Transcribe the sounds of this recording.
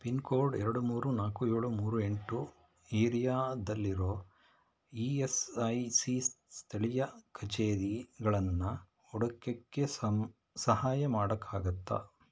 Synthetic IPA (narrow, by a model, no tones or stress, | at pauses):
pinkoːɾɖɛɾɐɽumuːɾunaːkueːɭumuːɾue̞ɳʈu | eːɾijaːd̪ɐlːiɾo̞ː | iesɐjsist̪ʰɐɭijɐkʰɐt͡ʃeːɾiɡɐɭɐnːɐ | ɔɽɐkːɐkːes | sɐhaːjɐmaːɽɐkʰːaːɡɐt̪ːɐ̰